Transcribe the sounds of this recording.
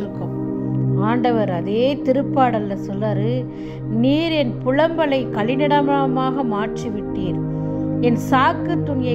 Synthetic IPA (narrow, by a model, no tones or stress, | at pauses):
ɾɯkːɯmaːɳɖɐʋɐɾɐðeːt̪ɪɾɯpːaːɽɐlːɐsɔlːɐːɾɯ | niːɾɛnpʊɻɐmbɐlɐɪkɐɭɪnɪɽɐmamaːɣɐmaːʈriʋɪʈːiːɾ | ɛnsaːkːɯt̪ːʊnɪjɐ